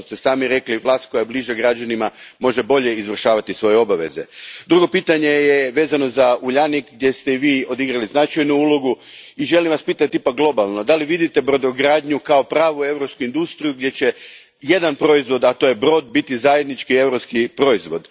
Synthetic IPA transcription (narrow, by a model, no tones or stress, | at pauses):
st̪esaːmiɾe̞kliʋlˠaːst̪̚ko̞jabliʒaɡɾad͡ʒanimamo̞ʒe̞bo̞ʎe̞izʋr̩ʃaːʋat̪isʋo̞jeo̞baʋe̞̰ze̞̰d̪ɾuɡo̞piːt̪aɲe̞jeʋeːzano̞zauʎanikɡ̚d̪je̞st̪e̞iʋiːo̞d̪iɡɾaliznat͡ʃajnuulo̞ɡu | iʒe̞limʋaspiːt̪at̪ːipakɡlˠo̞balˠno̞d̪aliʋid̪it̪ebɾo̞d̪oɡɾaːd̪ɲukao̞pɾaːʋue̞vɾopskuind̪ust̪ɾijuɡd̪jet͡ɕe̞ | je̞d̪anpɾo̞izʋo̞d̪at̪o̞je̞bɾo̞d̪̚bit̪izaje̞d̪nit͡ʃkie̞wɾo̞pskipɾo̞izʋo̞d̪